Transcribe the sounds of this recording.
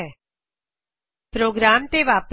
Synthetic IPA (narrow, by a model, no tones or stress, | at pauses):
ɛ | pɾoːɡɾaːmt̪eʋaːp